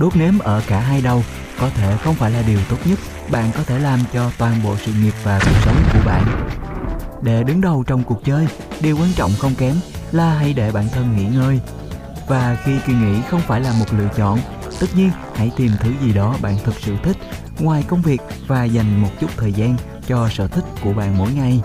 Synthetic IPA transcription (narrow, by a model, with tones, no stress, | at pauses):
ɗu˦˥t̚ne˨˦mʔəː˧˩kaː˧˩ɦaː˧jɗə˨˩w | kɔ˨˦t̪ʰe˧˨xə˧wŋ͡mfaː˧˩jlaː˨˩ɗi˨˩əwt̪o˦˥t̚ɲə˦˥t̚ | ɓa̰ː˧˨nkɔ˨˦t̪ʰe˧˩laː˨˩mt͡ɕɔ˧t̪waː˨˩nɓo̰˧˨sɨ̰˧˨ŋi˨˩əp̚vaː˨˩ku˨˩ək̚sə˨˦wŋ͡mku˧˩əɓa̰ː˧˨nʔ | ɗe˧˩ɗɨ˨˦ŋɗə˨˩wt͡ɕɔ˧wŋ͡mku˨˩ək̚t͡ɕəː˧j | ɗi˨˩əwkwaː˧nt͡ɕɔ̰˧˨wŋ͡mxə˧wŋ͡mkɛ˨˦mlaː˨˩ɦa˧˩jɗe˧˩ɓa̰ː˧˨nt̪ʰə˧nŋḭ˧˥ŋəː˧j | vaː˨˩ki˧ki˧ŋḭ˧˥xə˧wŋ͡mfaː˧˩jlaː˨˩mo˨˩t̚lɨ̰˧˨ət͡ɕɔ̰˧˨n | t̪ɨ˦˥t̚ɲi˧ə | ha̰˧˥˨jt̪i˨˩mt̪ʰɨ˨˦zi˨˩ɗɔ˨˦ɓa̰ː˧˨nt̪ʰə˨˩k̚sɨ̰˧˨t̪ʰï˦˥k̟̚ | ŋwaː˨˩jkə˧wŋ͡mvi˨˩ək̚ | vaː˨˩za˨˩jŋ̟mo˨˩t̚t͡ɕʊ˦˥t̚t̪ʰəː˨˩jzaː˧n | t͡ɕɔ˧sə̰ː˧˨˩t̪ʰï˦˥k̟̚ku˧˩əɓa̰ː˧˨nmo̰˧˥jŋa˨˩j